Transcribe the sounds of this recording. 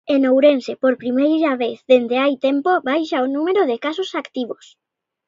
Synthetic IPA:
enowɾensepoɾpɾimejɾaβeθðend̪eajt̪empoβajʃaonũmeɾoðɪkasosakt̪iβos

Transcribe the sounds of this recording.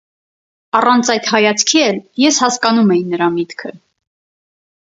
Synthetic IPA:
ɑrɑnt͡sʰɑjt̪hɑjɑt͡sʰkʰiɛljɛshɑskɑnumɛjinəɾɑmit̪kʰə

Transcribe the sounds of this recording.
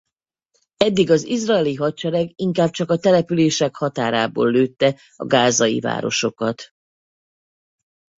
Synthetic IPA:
ɛd̪ːiɡɒzizraɛliɦɒt̪̚t͡ʃɛɾɛɡiŋkaːb̚t͡ʃɒkɒt̪ɛlɛpyleːʃɛkhɒt̪aːɾaːbo̰ːlːøːt̪ːɛ | ɒ̰ɡaːzɒjḭva̰ːɾo̞̰ʃo̞kɒt̪

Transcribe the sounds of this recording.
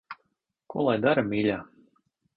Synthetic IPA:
kṵɔlˠajd̪aɾamʲiːlʲaː

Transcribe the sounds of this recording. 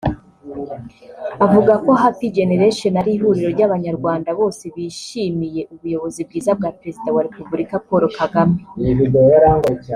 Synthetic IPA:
βavuɡako̞ɦatiɡe̞ne̞ɾeʃenaɾiːɦuɾiɾo̞ɾɟaβaɲaɾɡwaːndaβo̞ːse̞βiʃimije̞ʔuβujo̞βo̞zib̚ɡiːzab̚ɡaːpɾe̞zidawaɾe̞pubuɾikapoɾo̞kaɡameβidejojaɾaːŋɡaea

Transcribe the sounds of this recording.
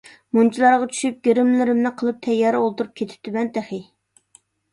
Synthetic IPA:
munt͡ʃʰilˠɑɾʁɑt͡ʃʰy̥ʃyp̚ɡʲeɾɪmlɪɾɪmnɨqʰəlˠɨp̚t̪ʰɛjːɑːɾɨolˠt̪ʰuɾup̚kʲʰet̪ʰɪ̥p̚t̪ɪmɛnt̪ʰæχɪ

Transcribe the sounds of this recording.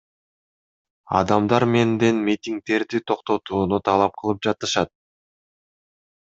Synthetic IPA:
ɑ̰d̪ɑmd̪ɑɾme̞nd̪enmʲit̪ʲiŋk̚t̪e̞ɾd̪it̪ʰo̞qt̪o̞t̪uːnut̪ʰɑlˠɑp̚qʰɯlˠɯp̚d͡ʒɑt̪ɯʃɑt̪̚

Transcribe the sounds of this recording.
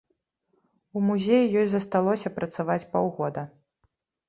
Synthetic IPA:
umuzʲejujɔjzɐst̪alˠɔsʲɐpɾɐt̪savat͡sʲpawɣɔd̪ɐ

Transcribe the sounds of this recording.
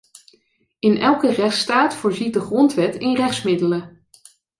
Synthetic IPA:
ɪnʔɛlˠkərɛχtstaːtfʊːɹzit̚dəχrɔntʋɛtɪnrɛχtsmɪdələ

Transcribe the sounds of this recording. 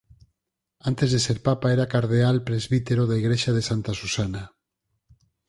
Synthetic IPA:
ant̪ezðeseɾpapaeɾakaɾðealpɾezβit̪eɾoðaiɣɾeʃað̞esant̪asusana

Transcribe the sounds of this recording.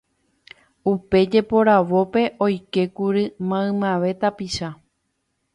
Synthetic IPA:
upe̞d͡ʒe̞po̞ɾaʋo̞pe̞ʔo̞jke̞kuɾɨmãɨ̃mãʋe̞t̪apiʃa

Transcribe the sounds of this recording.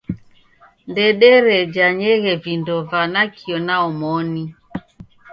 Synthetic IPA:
ndɛɗɛɾɛd͡ʒaɲɛɣɛvindɔvanakʰiɔnaɔmɔni

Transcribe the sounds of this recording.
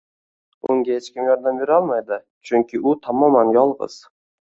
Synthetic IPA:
oŋɡʲahet͡ʃkʲɪmjɒɾd̪ambe̞ɾɒlˠmajd̪ɪ | t͡ʃʰʊŋkʲɪʔʊt̪ʰamɒmaŋjɒlˠʁɨ̰z̥

